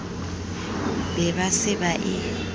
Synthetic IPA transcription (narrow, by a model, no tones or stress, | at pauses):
bɛbasɪbaʔɪ